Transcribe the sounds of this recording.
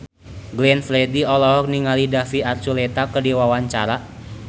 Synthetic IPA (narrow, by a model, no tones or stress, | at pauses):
ɡlɛnflɛdiɔlɔɦɔk̚niŋalidafiart͡ʃulɛt̪akərdiwawaɲt͡ʃaɾa